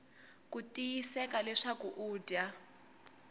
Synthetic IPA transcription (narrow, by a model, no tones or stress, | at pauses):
kutʼijisɛkalɛʂakuʔuːda